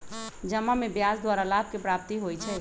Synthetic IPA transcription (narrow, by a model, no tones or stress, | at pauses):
d͡ʒəmːamẽbjaːsd̪waːɾalaːb̚kepɾaːp̚t̪iɦoit͡ʃʰɛː